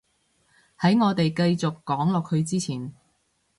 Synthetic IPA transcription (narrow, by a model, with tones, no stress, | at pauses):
hɐ˨˥jŋɔː˨˧t̪e˨jkɐ˧jt͡sʊ˨kːɔː˨˥ŋlɔː˨k̚hɵ˧ɥt͡siː˥t͡sʰiː˨˩n